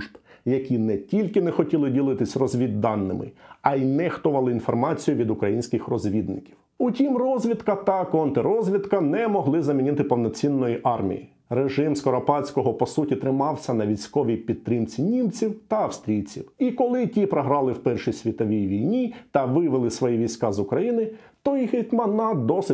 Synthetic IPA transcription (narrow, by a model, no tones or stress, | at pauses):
ʒbjɐkʲinɛtʲilʲkɪnɛxɔtʲilˠɪdʲilˠɪt̪ɪsʲrɔzʲʋʲid̪ːɑnːɪ̰mɪ̰ɐjnɛxt̪ɔʋɐlˠɪinfɔrmɑt͡sʲijʊʋʲid̪ʊkɾɐjinʲsʲkɪxrɔzʲʋʲid̪nɪkʲiw | ʊtʲimrɔzʲʋʲid̪kɐt̪ɐkɔnt̪eɾɔzʲʋʲid̪kɐnɛmɔɦlˠɪzɐmʲinʲɪt̪ɪpɔwnɔt͡sʲinːɔjiʔɑrmʲḭjḭ | reʒɪmskɔɾɔpɑt͡sʲkɔɦɔpɔsutʲit̪ɾɪmɑwsʲɐnɐʋʲijsʲkɔʋʲipʲid̪̚t̪ɾɪmt͡sʲinʲimt͡sʲiwt̪ɐɐwst̪ɾʲijt͡sʲiwikɔlˠɪtʲipɾɔɦɾɑlˠɪwpɛrʃisʲʋʲit̪ɔʋʲijʋʲijnʲit̪ɐʋɪʋɪlˠɪsʋɔjiʋʲijsʲkɑzʊkɾɐjinɪt̪ɔjiɦɪtʲmɐnɑd̪ɔsɪ